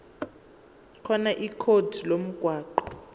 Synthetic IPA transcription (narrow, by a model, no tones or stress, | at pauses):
kʰɔnaʔikʰod̥ʱilom̩ɡ̥ʱwaːǃɔ